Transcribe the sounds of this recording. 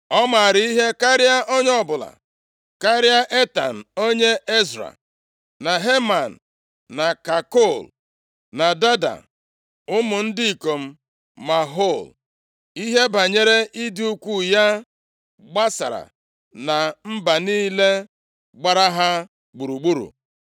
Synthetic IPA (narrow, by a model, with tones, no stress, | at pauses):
ɔ˦ma˨ɾɪ˦i˦ɦe˦ka˦ɾɪ˦a˦ʔo˦ɲ˦ɔ˦bʊ˨la̰˨ | ka˦ɾɪ˦a˦ʔe˦ta̰˨n̩˨o˦ɲe˦e˦zɾa̰˨ | na˨ɦe˦ma˨n̩˨ | na˨ka˨ko˦˨l | na˨da˦da̰˨ | ʊ˦mʊ˨n̩˦dɪ˦i˨ko˨m̩˦ | ma˨ɦo˦˨l | i˦ɦe˦ba˨ɲe˦ɾe˦ʔi˦dɪ˦u˦kʷu˦ja˦ | ɡ͡ba˦sa̰˨ɾa̰˨ | na˨m̩˦ba˨niː˦le˦ | ɡ͡ba˨ɾa˦ɦa˦ | ɡ͡bu˨ɾu˨ɡ͡bu˦ɾṵ˨